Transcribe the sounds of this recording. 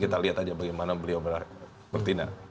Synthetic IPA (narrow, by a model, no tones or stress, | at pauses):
kit̪aliat̪ad͡ʒabaɡajmanabəliawbəlah | pərt̪ina̰